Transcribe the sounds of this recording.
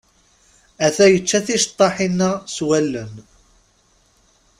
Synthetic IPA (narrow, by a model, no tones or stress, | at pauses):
æθæjət͡ʃːæθiʃt̪ˤːɑħinːəswælːən